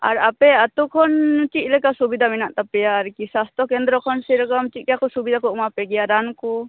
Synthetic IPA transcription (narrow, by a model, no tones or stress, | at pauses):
a̰ɾapɛat̪ukʰɔnt͡ʃit̪lɛkasubid̪ʱaminaʔt̪apɛjaɾkisast̪ɔkend̪ɾɔkʰɔnsiɾkɔmt͡ʃiʔ̪̚kakɔsubid̪ʱakɔmapɛɡɛjaɾanku